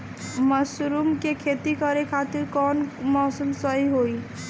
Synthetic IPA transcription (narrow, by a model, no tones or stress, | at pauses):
məsɾumkekʰeːt̪ikəɾekʰaːt̪ɪɾkɔːnmɔːsəmsəɦiɦoːi